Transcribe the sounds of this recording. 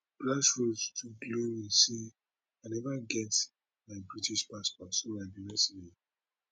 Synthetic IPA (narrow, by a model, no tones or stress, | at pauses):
b̥lasɹodtʰuɡloɹise | anɛvaɡɛt | maɪbɹitiʃpaspɔtsomaɪbiɹɛsini